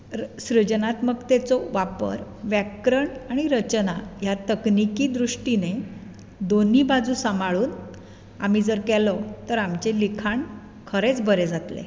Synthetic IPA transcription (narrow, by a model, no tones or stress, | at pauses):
ɕɾəd͡ʑnat̪məɡt̪ɛt͡sɔʋapə̰ɾ | ʋjɛkɾəɳaɽ̃iɾət͡ɕnajat̪əknikiːd̪ɾuʂʈine | d̪oniːbad͡zuːsəmaɭuːn | am̤id͡zəɾkɛlɔt̪əɾamt͡ɕelikʰaɳ | kʰəɾet͡sbʱəɾed͡zat̪lḛ